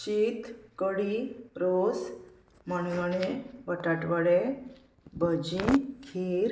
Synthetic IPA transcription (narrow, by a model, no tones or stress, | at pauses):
ɕiːt̪kəɽiɾos | mañulaneʋəʈaʈʋəɽe | bəd͡ʑĩkʰiɾ